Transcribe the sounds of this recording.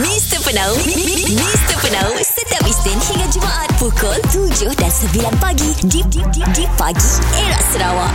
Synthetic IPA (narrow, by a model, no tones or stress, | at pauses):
mist̪əpənawmist̪əpənawsət̪iapist̪ɪnhiŋad͡ʒəmaʔat̪̚pukɔlt̪ud͡ʒʊhdansəvilanpaɡididididipa̰ɡieɹa̰ʔsəɾawaʔ